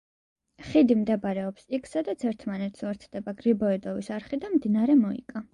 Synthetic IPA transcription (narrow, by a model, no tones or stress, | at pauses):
χid̪imd̪ɛbaɾɛɔpsikʰsad̪at̪sʰɛɾt̪ʰmanɛt̪ʰsuɛɾt̪sʰd̪̥ɛbaɡɾibɔɛd̪ɔvisaɾχid̪amd̪inaɾɛmɔḭkʼa